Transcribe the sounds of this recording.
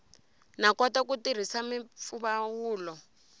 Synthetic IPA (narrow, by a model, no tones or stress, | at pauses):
nakɔtakutir̤isamifuβawuːlɔ